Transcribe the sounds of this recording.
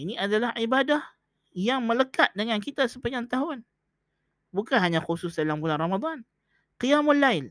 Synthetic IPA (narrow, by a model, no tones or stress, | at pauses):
iniadalahʔibadah | jaŋmələkat̪̚dəŋankit̪asəpəɲant̪aɦʊn | bukanɦaɲaxusʊsdalambulanramad̪ˤan | qijamʊlaɪn